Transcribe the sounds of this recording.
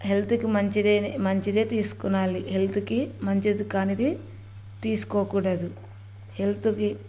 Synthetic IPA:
ɦe̞lt̪ukimɐɲt͡ʃid̪eːnimɐɲt͡ʃid̪e̞ːt̪iːsu̥kunːaːlihelt̪ukimɐɲt͡ʃid̪ukaːnid̪i | t̪iːsu̥koːkuːɽɐd̪u | he̞lt̪uki

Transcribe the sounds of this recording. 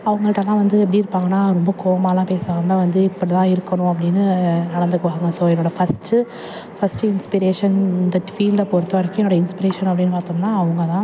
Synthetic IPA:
ɐʋɐŋɡɐɭɪʈːɐlːãːʋɐnd̪ɯɛp̬ːɐɽiɪɾɯpːaːŋɡɐnːaːɾɔmbɐkoːʋɐmaːlãːpeːsaːmːɐʋɐnd̪ɯɪpːɐɽit̪ãːɪɾɯkːɐɳʊ̃ɐp̬ːɐɽɪnːɯnɐɽɐnd̪ɯkːɐʋaːɣɯŋɡɐsoːɛnːoːɽɐfɐsʈɯ | fɐsʈɯɪnspɪɾeːʂɐnd̪ɐʈːfiːlɖɐpoɾɯt̪ːɐɾɐkːɛnːoːɽɐɪnspɪɾeːʂɐnɐpːɐɽɪnːɯpaːɾt̪ɯŋɐnaːɐʋɐŋɡɐt̪ãː

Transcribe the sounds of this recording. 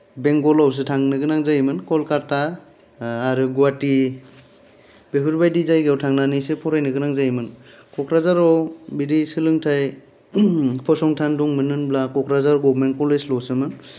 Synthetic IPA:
beŋɡɔlaws̬ɯtʰaŋnɯɡɯnaŋzajmɯnkɔlkaɾtaː | ɾɯɡuati | b̥eɦuɾbajdizajɡawtʰaŋnanijsepʰɔɾajnɯɡɯnaŋzajmɯn | kʰɔkɾazaɾɔbiɾisɯlɯŋtʰaj | pʰɔsɔŋtʰanduŋmɯnɯnblakɔkʰɾazaɾɔɡɔbmen̚kɔleslɔsɯmɯn

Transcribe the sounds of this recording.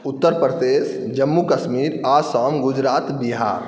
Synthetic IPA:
ut̪ːəɾpɾəd̪es | d͡ʒəmːukəsmiɾasɔmɡud͡ʒɾat̪biɦa̰ɾ

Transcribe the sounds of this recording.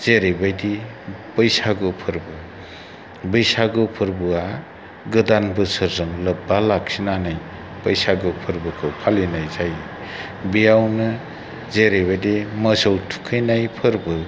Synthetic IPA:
z̥eɾejbajdi | bəjsaɡɯpʰɯɾbɯ | bɯjsaɡɯpʰɯɾbɯa | ɡɯdanbɯsɯɾzɯŋlɯp̚balak̚sinanaj | pəjsaɡɯpʰɯɾbɯkʰɯpʰalenajzaj | bijawnɯ | zeɾejbajdiməsɔwtʰu̥kʰɯjnajpʰɯɾbɯ

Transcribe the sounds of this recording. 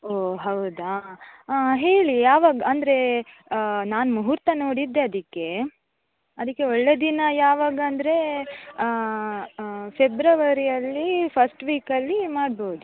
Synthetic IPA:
oːɦɐwd̪aː | ɦeːɭijaːʋaːɡaɐnd̪ɐɾe̞ | naːnmuɦuɾt̪ɐnoːɽid̪ːe̞ɐd̪ikːe̞ | ɐd̪ikːe̞ɔɭːeːd̪inɐjaːʋaːɡaɐnd̪ɐɾe̞ | febɾɐʋɐɾijɐlːipʰɐsʈʋiːkɐlːimaːɽboːd̪u

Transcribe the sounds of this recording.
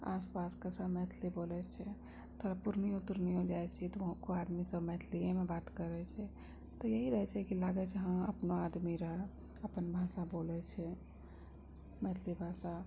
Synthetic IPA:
a̰ːspaskasəbmɛt̪ʰlibolɛt͡ʃʰɛ | t̪ʰoːɾapʊɾniʊt̪ːəɾniɦod͡ʒaɛt͡ʃʰɛt̪oʋəɦãkoaːd̪misəbmɛːt̪ʰliemebaːt̪kəɾɛt͡ʃʰɛ | t̪ɔjəɦiɾəɦɛt͡ʃʰɛkilaːɡɛt͡ʃʰɛɦə̃mə̰pnoad̪miɾəɦɛ | əpənbʱaːsaboːlɛt͡ʃʰɛ | mɛt̪ʰlibʱasa

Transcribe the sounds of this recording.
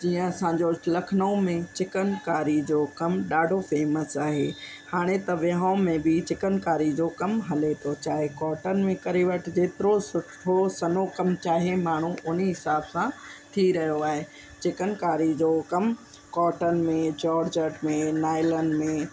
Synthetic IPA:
d͡ʑiːə̃ɐsãɲd͡ʑolɐkʰnõmẽt͡ɕɪkənkaːɾid͡ʑoːkɐmɗaːɖʱofeːməsaːɦḛː | haːɽ̃et̪ɐʋɪɦãmẽbɪt͡ɕɪkənkaːɾid͡ʑoːkɐmɦɐlet̪ʰot͡ɕaːɦekɔːʈənɪ̆mẽkɐɾiʋəʈɪd͡ʑeːt̪ɪɾosʊʈʰosɐnokɐmt͡ɕaːɦemaːɳ̤uʔʊniɦɪsaːbsãt̪ʰiɾɐɦijoaːɦe | t͡ɕɪkənkaːɾid͡ʑoːkɐm | kɔːʈənɪ̆mẽd͡ʑɔːɾd͡ʑəʈmẽnaːɪləɳɖmẽ

